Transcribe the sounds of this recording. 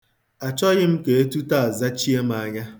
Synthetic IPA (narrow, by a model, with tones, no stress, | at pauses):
a˨t͡ʃɔ˦ɣɪ˦m̩˦ke˨e˦tu˦ta˦˨a˨za˦t͡ʃi˦e˦m˦a˨ɲa˦